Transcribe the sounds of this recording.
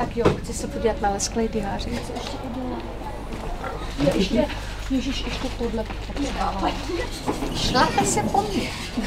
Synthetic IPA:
t̪akjoːxt͡sɪsɛpoɟiːlat̪nalɛsklɛjdɪɦaːr̝ɪt͡sɪɛʃcɛʔɪdona | jɛʔɛʃɛjɛʒiʃʔɛʃcɛt̪odlɛt̪t̪akɛdaːla | ʃlamɛsɛpomɲɛ

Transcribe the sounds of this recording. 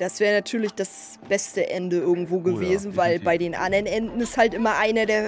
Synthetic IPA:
d̥asv̥ɛːʁənatʰyːɐlɪçd̥as | b̥ɛstəʔɛndəɪɐɡŋ̩tv̥oːɡəveːzn̩vaɪlbaɪdeːnʔa̰nɐnʔɛndn̩ɪsthaltʔɪmɐʔaɪnɐdeːɐ

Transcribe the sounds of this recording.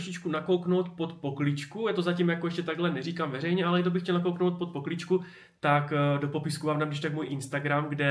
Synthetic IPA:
ʃɪt͡ʃkunako̞wkno̞wt̪po̞t̪po̞klɪt͡ʃkujɛt̪ozacimjakojɛʃcɛt̪aɡɦlɛnɛriːkamvɛrɛjɲɛʔalɛd̪obɪxcɛlnak̬o̞wknowt̪̚pot̪̚po̞klɪt͡ʃku | t̪akdo̞po̞pɪskuvaːmnamdɪʃt̪akmuːjʔɪnst̪aɡɾamɡdɛ

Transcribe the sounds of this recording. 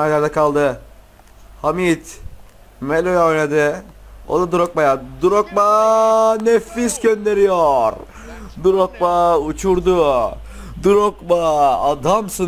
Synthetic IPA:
ajaɾd̪ɛkʰalˠd̪ɯ | hamit̪ | melʲojaojned̪ɪo̰d̪ad̪uɾok̚bajad̪uɾok̚ba | nɛfisɟø̞nd̪e̞ɾijɔɾ | d̪uɾok̚baut͡ʃʰuɾd̪u | d̪uɾokbaːd̪amsɯ

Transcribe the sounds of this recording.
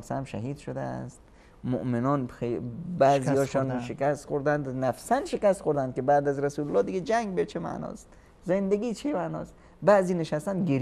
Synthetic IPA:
ɾsæmʃæ̰ɦiːd̪ʃod̪æ̰æ̰st̪ | mo̰ʔmenɒnebæziɒːʃɔnʃekʰæst̪xoɾd̪ænd̪næfsænʃekæst̪xoɾd̪ænd̪̚kʲebæːd̪æzɾæsulolːɒːd̪iɡed͡ʒæŋɡbet͡ʃʰemæ̰ʔnɒ̰ːst̪ | zend̪eɡiːt͡ʃʰemænɒ̰ːst̪ | bæːziːneʃæst̪ænd̪ɡeɾ

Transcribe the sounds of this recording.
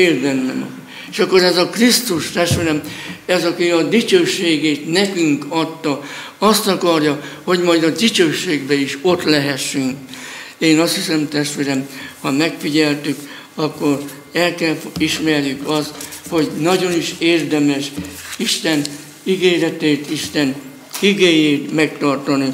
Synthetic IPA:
eːrd̪ɛnːɛ̰mɒ̰ | eʃɒkːoɾɛzɒkrist̪uʃt̪ɛʃt̪ʋeːɾɛmɛzɒkiɒd̪it͡ʃøːʃːeːɡeːt̪nɛkyŋkɒt̪ːɒ | ɒst̪ɒkɒrjɒho̞ɟmɒjd̪ɒd̪it͡ʃøːʃːeːɡbɛiʃo̞t̪lɛɦɛʃːyŋkeːnɒst̪hisɛmt̪ɛʃt̪ʋeːɾɛmhɒmɛkfiɟɛlt̪yk | ɒkːo̞r | ɛlkɛlfiʃmɛrjykɒst̪ho̞ɟnɒɟo̞niʃeːrd̪ɛmɛʃiʃt̪ɛn | iɡeːɾɛt̪eːt̪iʃt̪ɛn | iɡeːjeːt̪mɛk̚t̪ɒrt̪ɒni

